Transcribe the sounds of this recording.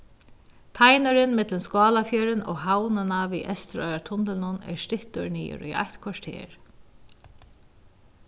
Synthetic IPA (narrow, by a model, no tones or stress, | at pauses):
t̪ʰajnaɾɪnmɪt̪lənskɑːlafjœːɾɪnɔ̰ːɣɦawnɪnavḭːʔɛst̪ɾœʏɾat̪ʰʊnt̪ɪlnʊnɛ̰ɹst̪ɪht̪ʊɹniːʊ̰ɾḭʔa̰jht̪kʰvaʂt̪ʰḛːɹ